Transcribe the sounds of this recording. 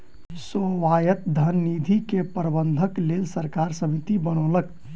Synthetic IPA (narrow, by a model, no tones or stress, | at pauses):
soʋajət̪̚d̪ʱənːid̪ʱikepɾəbənd̪ʱəklelsəɾkaɾsəmit̪ibəɽ̃ələk